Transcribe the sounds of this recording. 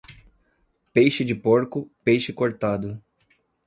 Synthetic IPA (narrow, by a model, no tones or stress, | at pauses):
pejʃɪd͡ʒɪpoɾkʊpejʃɪkoɾt̪ad̪ʊ